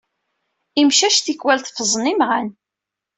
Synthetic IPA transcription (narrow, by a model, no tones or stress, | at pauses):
imʃæʃt̪ikwælθfəzˤnimʁan